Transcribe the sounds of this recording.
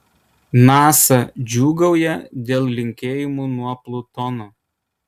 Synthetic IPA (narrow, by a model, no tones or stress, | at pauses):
nɑːsɐd͡ʒʲuːɡɐʊjɛd̪ʲeːlˠlʲɪŋʲkʲeːjɪmuːnuɔplˠʊt̪ɔnoː